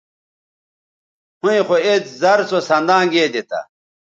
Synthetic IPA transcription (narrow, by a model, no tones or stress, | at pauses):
hũĩxoet͡szɐɾsosɐnd̪ãːɡeːd̪it̪a̰